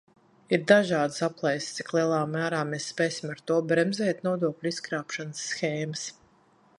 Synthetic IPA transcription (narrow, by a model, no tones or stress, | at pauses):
iɾd̪aʒɑːd̪saplˠajst̪si̥klˠiɛlˠaːmæːɾaːmesːpeːsimaɾt̪uɔbɾɛmzɛːt̪nɔɔd̪uɔklʲiskɾaːpʃanəsːxeːməs